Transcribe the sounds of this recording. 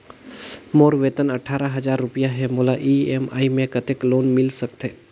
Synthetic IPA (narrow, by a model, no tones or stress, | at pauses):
moːɾʋeːt̪ənəʈʰaːɾaɦɐd͡ʒaːɾːʊpijaɦɛmolaʔiema̰ːimẽkət̪ekloːnmɪlsəkt̪eː